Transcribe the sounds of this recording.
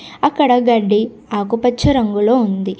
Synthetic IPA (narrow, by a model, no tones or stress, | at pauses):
ɐkːɐɽɐɡɐɖːi | aːkupɐt͡ʃːɐɾɐŋɡulo̞ːund̪i